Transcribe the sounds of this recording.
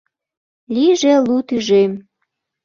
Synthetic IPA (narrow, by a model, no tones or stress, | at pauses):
liʒelut̪yʒem